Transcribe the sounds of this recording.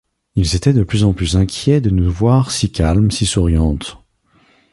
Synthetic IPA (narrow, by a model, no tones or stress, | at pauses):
ilzet̪ɛd̪əplyzɑ̃plyzɛ̃kʲjɛd̪ənuvwaʁsikʲalmsisuʁjɑ̃t̪